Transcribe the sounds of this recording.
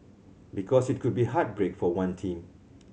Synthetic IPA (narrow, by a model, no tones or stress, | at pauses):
bikʰɔsit̚kʰud̚biɦat̚bɹekfɔwãntʰĩm